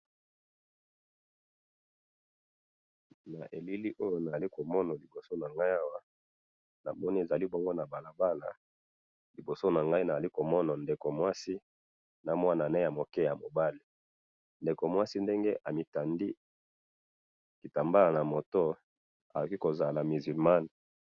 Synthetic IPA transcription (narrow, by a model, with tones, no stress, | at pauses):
na˨ʔe˨li˦li˦ʔo˦jo˦na˨a˨li˦ko˨mɔ˦na˨li˨bo˨so˦na˨ŋɡa˦i˦a˦wa˦ | na̰˨mɔ˦ni˦e˨za˨li˦bɔ˦ŋɡo˦na˨ba˨la˨ba˦la̰˨ | li˨bo˨so˦na˨ŋɡa˦i˦na˨za˨li˦ko˨mɔ˦na˨nde˨ko˨mwa˦si˦ | na˨mwa˦na˨ne˦ja˨mo˨kɛ˦ja˨mo˨ba˦li˨ | nde˨ko˨mwa˦si˦nde˦ŋɡe˦ʔa˨mi˨ta˨ndi˦ | ki˨ta˨mba˦la˨na˨mo˨to˦ | a˨o˨ki˦ko˨za˨la˨mi˨zy˨lma˦n